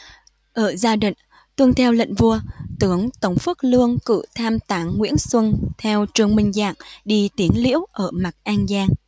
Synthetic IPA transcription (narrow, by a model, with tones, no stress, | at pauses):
ʔəː˧˩zaː˧ɗḭ̈˧˨ŋ̟ | t̪wɨ˧əŋt̪ʰɛ˧wlə̰˧˨ŋ̟vu˧ət̪ɨ˨˦əŋt̪ə˨˩wŋ͡mfɨ˦˥k̚lɨ˧əŋkɨ̰˧˨t̪ʰaː˧mt̪aː˨˩ŋːwḭ˧˥ənswə˧nt̪ʰɛ˧wt͡ɕɨ˧˩əŋmï˧˩ŋ̟za̰ː˧˨ŋɗi˧t̪i˨˦ənlḭ˧˥əwʔəː˧˩ma˨˩t̚ʔaː˧nzaː˧ŋ